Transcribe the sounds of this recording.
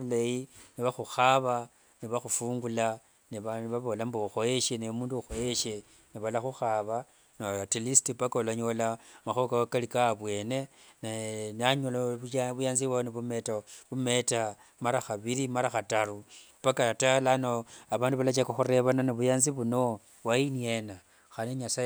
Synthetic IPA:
ulajiniβaxuxaβa | niβaxufuːŋɡula | niβaβaβo̞lambouxo̞je̞ʃenejomuːnduxo̞jeʃe | niβalaxuxaβa | natilistipakalaɲo̞lamaxokawakalikaːβwe̞ːne̞ | najenaɲoloβujaːnziβwaniβume̞taβume̞ta | maɾaxaβiɾimaɾaxataru | pakatalanoaβaːnduβalat͡ʃakaxuɾe̞βananiβujaːnziβuno̞ | wainiena | xaneɲasa

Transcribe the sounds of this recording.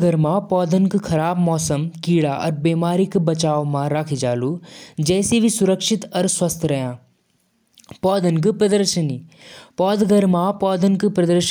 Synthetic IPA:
ɡəɾmãpɔːd̪ənkkʰɐɾaːbmɔːsəmkiːɽaʔɔ̰ɾbeːmaːɾɪkbɐt͡ʃaːʋmãɾaːkʰid͡ʒaːlud͡ʒɛːsibʱisʊɾəkʃɪt̪ɔɾswɐst̪ʰɾɐɦjãː | pɔːd̪ənk̬pɾɐd̪əɾʃəniːpɔːd̪ɡəɾmãpɔːd̪ənkpɾɐd̪əɾʃ

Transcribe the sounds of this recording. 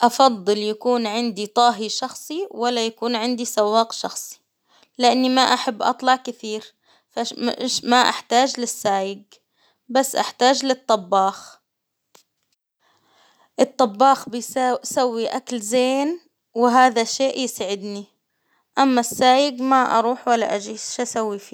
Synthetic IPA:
ʔɑfɑd̪ˤːɨljakuːnʕɪnd̪it̪ˤɑːɦiʃɑxsˤiwalːajakuːnʕɪnd̪isawːɑːqʃɑxsˤi̥ | lɪʔanːimaʔaħabːʔɑ̰t̪ˤlɑʕkɪθiːɾ | famɪʃmaʔa̰ħt̪aːd͡ʒlɪsːaːjɪɡ | basːʔaħt̪aːd͡ʒlɨt̪ˤːɑbːɑːx | ʔɨt̪ˤːɑbːɑːxbɪsawːiʔaklzeːn | wɪɦaːðaʃeːʔjsaʕɪd̪ni | ʔamːasːaːjɪɡmaʔɑ̰ɾˤuːħwalːa̰ʔad͡ʒiːʃʔasawːifiː

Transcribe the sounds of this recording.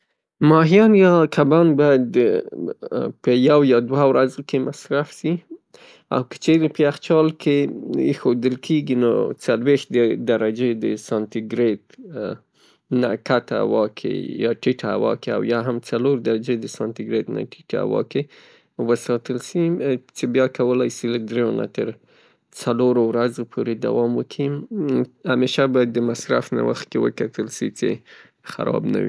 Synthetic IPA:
mɑɦijɑnjɑkʰabɑnbɑjad̪ | pəjawjɑd̪wawɾazkemasɾafʃi | a̰wkə̥t͡ʃeɾepəaxt͡ʃɑlkʰeḛxod̪əlkʰeɡino̰t͡salwext̪̚d̪əd̪aɾad͡ʒed̪əsɑnt̪iɡɾet̪ | na̰kat̪aa̰wɑkʰḛjɑʈiʈa̰wɑ̰kea̰wjɑɦamt͡saloɾd̪aɾad͡ʒed̪əsɑnt̪iɡɾet̪na̰ʈi̥ʈa̰wɑ̰ke | wəsɑt̪əlʃit͡ʃebjɑkawəlajsilad̪ɾejona̰t̪əɾ | t͡saloɾowɾazopʰoɾed̪a̰wɑmwəkʰi | hameʃabɑjad̪ːəmasɾa̰fna̰wa̰xt̪̚kewə̰kat̪əlʃit͡sḛ | xa̰ɾɑ̰bna̰wḭ

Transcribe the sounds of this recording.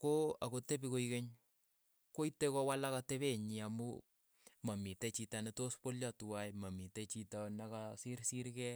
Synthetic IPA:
koakotepikoikeɲ | koitekɔwalakateβeɲiamṵ | mamitet͡ʃitanetospoljatuwajmamitet͡ʃitanakasiɾsiɾkɛ

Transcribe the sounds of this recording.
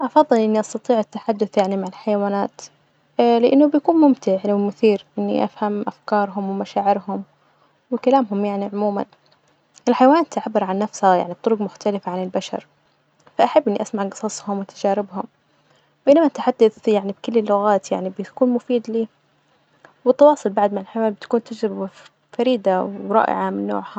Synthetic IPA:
ʔɑfɑðˤːɨlʔɪnːiʔɑst̪ɑt̪ˤiːʕɪt̪ːaħad̪ːʊθjaʕnimaʕɪlħajawaːnaːt̪ | lɪʔɪnːʊbjakuːnmʊmt̪ɪʕwɪmʊθiːɾʔɪnːḭʔa̰fhamʔafkɑːɾˤɦʊmwɪmaʃaːʕɪɾhʊm | wɪkalaːmɦʊmjaʕniʕʊmuːman | ʔɪlħajawaːnaːt̪ʔaʕabːɪɾʕanːafshaja̰ʕnib̚t̪ˤʊɾʊɡmʊxt̪ʰalɪfaʕanɪlbaʃɑ̰ɾˤ | faʔaħabːɪnːiʔasmaʕɡɑ̥sˤɑsˤhʊmwɪt̪ad͡ʒaːɾɪbhʊm | b̥ejnamaʔt̪ħad̪ːaθjaʕnibkɪlːɪlːʊɣaːt̪jaʕnibɪkuːnmʊfiːd̪liː | wɪt̪ːɑwɑːsˤʊlbaʕd̪maʕɪlħajwaːnbɪt̪ḁkuːnt̪ad͡ʒɾɪb | faɾiːd̪awɾˤɑ̰ːʔɪ̰ʕamɪnːo̰ːʕha

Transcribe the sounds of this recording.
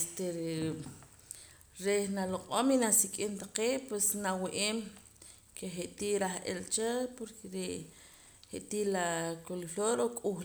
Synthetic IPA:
st̪e | ɾenaloqʼominasikʼint̪aqeːʔpwesnawiʔeːm | kʰeχeʔt̪iːʔɾaχʔḛlt͡ʃepoɾkʰeɾeʔ | heʔt̪ilakolloːɾokʼux

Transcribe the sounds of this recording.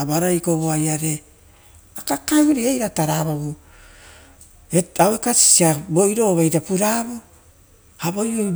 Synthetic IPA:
abaɾajkoβoajaɾe̞ | akakawɾeejɾataɾaβaβu | eawekasi̥siabo̞iɾo̞βajɾapuɾaβo | haβo̞jo

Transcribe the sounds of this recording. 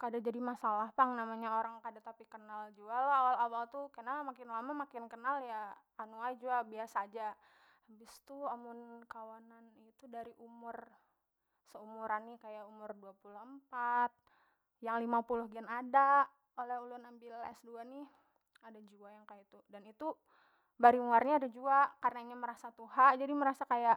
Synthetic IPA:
kadad͡ʒadimasalahpaŋnamaɲaoɾaŋkadat̪apikənald͡ʒualaawalawalt̪ukənamakɪnlamamakɪnkənaljaː | nuaid͡ʒuabiasaːd͡ʒaː | bɪst̪uamʊnkawananit̪udaɾiʔumʊr | səumuɾanːɪkajaʔumʊrduapulʊhəmpat̪̚ | jaŋlimapulʊhɡɛnada | olɛhulʊnambɪlɛ̰sduanɪ | adad͡ʒuajaŋkajat̪udanit̪u | baɾimuarɲaːdad͡ʒuakarnaiɲaməɾasat̪uɦaʔd͡ʒadiməɾasakajaʔ

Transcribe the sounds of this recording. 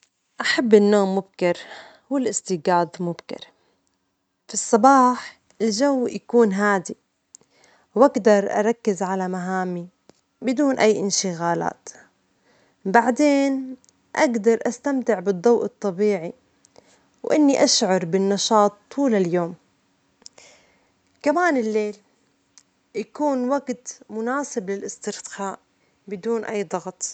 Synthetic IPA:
ʔaħabːɪnːoːmːʊb̚kɪɾ | wɪlʔɪst̪ɪɡaːd̪mʊbkɪ̰ɾ | fisˤːɑbɑːħ | ʔɪld͡ʒawːjakuːnɦaːd̪i | wʔaɡd̪ɑɾˤʔɑ̰ɾˤɑkːɪzʕalamaɦaːmi | bɪd̪uːnʔajːʔɪ̰nʃɪɣaːla̰ːt̪ | baʕd̪eːn | ʔaɡd̪ɑɾˤʔast̪amt̪ɪʕbɨd̪ˤːɑwʔɨt̪ˤːɑbiːʕi | wʔɪnːiʔaʃʕɑɾˤbɪnːɑʃɑːt̪ʰːuːlaljoːm | kamaːnɪlːeːl | jakuːnwaɡt̪mʊnaːsɪblɪlʔɪst̪ɪɾt̪xaːʔ | bɪd̪uːnʔajːd̪ˤɑɣt̪ˤ

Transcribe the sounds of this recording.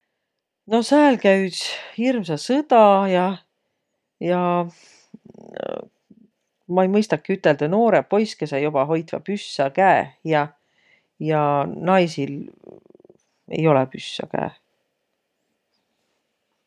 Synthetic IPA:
no̞sæːlkæɥshirmsɑsɤd̪̥ɑjɑ | jɑ | mɑejmɤjst̪ɑkːˑiyt̪ːˑe̞ld̪̥ɑno̞ːɾepo̞jske̞sejob̥ɑɦo̞jt̪vɑ̰pysːɑkæejɑ | jɑnɑjsil | ḛjo̞lɛpysːɑ̰kæ̰ː

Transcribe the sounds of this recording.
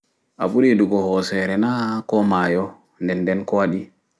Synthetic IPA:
ʔa̰ɓuɾiduɡɔhɔsɛɾɛnakɔmaːjɔ | ndɛnːdɛnkɔwaɗi

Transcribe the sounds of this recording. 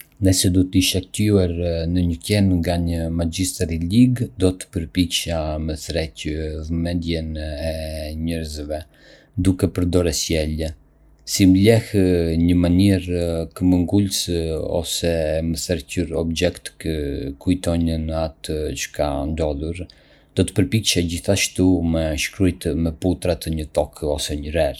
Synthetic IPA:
nɛsɛd̪ut̪əiʃak̚t̪iɛɾnəɲəcɛnŋɡaɲəmad͡ʒist̪ɾiliɡd̪ɔt̪ə̥pəɾpit͡ʃaməθɾɛcəvmɛnd̪jɛnɛɲɛɾzvɛ | d̪ukɛpəɾd̪ɔɾɛsjɛlɛ | simblɛhɲəmaniɾkəməŋɡulsɔ̰sɛməθɛɾcuɾɔbd͡ʒɛkt̪kəkujt̪ɔɲənat̪t͡ʃə̥kʰand̪ɔðˠuɾ | d̪̥ɔt̪ə̥pəɾpikʃad͡ʑiθaʃt̪umɛʃkɾujt̪mɛput̪ɾat̪əɲət̪ɔkʰɔsɛɲəɾɛɾ

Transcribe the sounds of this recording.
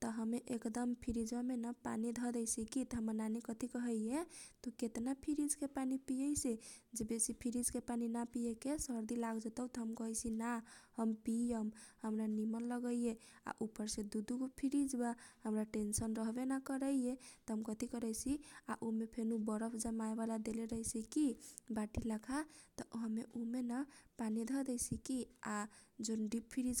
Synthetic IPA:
t̪ɔɦəmeʔekd̪əmpʰiɾid͡ʒbamenapa̰nid̪ʱɔd̪ɛjsʰikit̪ɦəmənanekət̪ikəɦəjet̪ɔket̪napʰiɾid͡ʒkepanipijəjsed͡ʒebesipʰiɾid͡ʒkepaninapijekesəɾd̪ilaɡd͡ʒet̪əwt̪ɔɦəmkəɦəjsʰinahəmpijəmhəmɾanimənləɡəijea̰ʔupːəɾsẽd̪ud̪ukopʰiɾid͡ʒbahəmɾaʈensənɾəɦbenakəɾəijet̪ɔɦəmkət̪ikəɾɛjsʰiaʔumepʰenubəɾəpʰd͡ʒəmaebalad̪eleɾəɦisʰikibaʈilakʰat̪ɔɦəmeʔumenapanid̪ʱəd̪ɛjsʰikiad͡ʒonɖippʰiɾid͡ʒ

